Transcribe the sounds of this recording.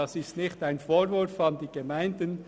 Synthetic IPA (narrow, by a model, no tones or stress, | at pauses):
ɑsɪstnɪχtaɪnfoːɾvʊɾfɑndiːɡ̥əmaɪndən